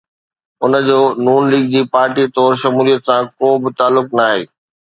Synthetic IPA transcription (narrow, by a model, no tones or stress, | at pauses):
ʊnə̆d͡ʑoːnuːnliːɡ̚d͡ʑiːpaːɾʈit̪ɔːɾʃɐmuːlijət̪sãkoːbɪt̪aːlːʊknaːɦḛː